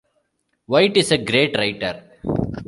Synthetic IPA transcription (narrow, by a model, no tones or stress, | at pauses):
ʋaɪʈɪseɡɾeːʈɾaɪʈəɾ